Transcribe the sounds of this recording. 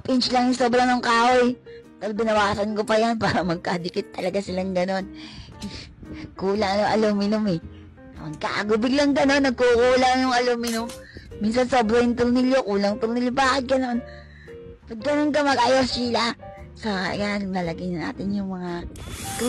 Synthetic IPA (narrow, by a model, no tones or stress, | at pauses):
pɪnt͡ʃlɐŋʊŋsoːbɾɐŋnʊŋkaːʔojpɛɾbɪnɐwaːsɐnkopɐjanpaːɾɐmɐɡ̚kad̪ɪkɪt̪ːɐlɐɡasɪlaŋɡɐno̞n | kuːlɐŋnʊŋʔɐ̰lomɪnʊmɛ | ɐmɐɡ̚ka̰ʔɐɡʊbɪɡlɐŋɡɐno̞nːɐɡ̚kukuːlaŋjʊŋɐlomɪnʊm | mːinsɐnso̞bɾɐjʊnt̪ʊɾnɪljokuːlɐŋt̪ʊɾnɪljobaːʔɪt̪̚ɡɐno̞n | pɐd̪̚ɡɐnonk̬ɐmɐɡʔajosila | sɐ̰janalɐɡɪnɐna̰ːt̪ɪnjʊŋmɐŋa